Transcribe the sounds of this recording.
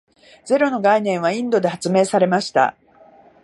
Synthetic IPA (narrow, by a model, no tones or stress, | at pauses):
d͡ze̞ɾo̞no̞ɡainẽɰ̃β̞aĩnd̪o̞d̪e̞hat͡sɨme̞ːsaɾe̞maɕi̥t̪a̰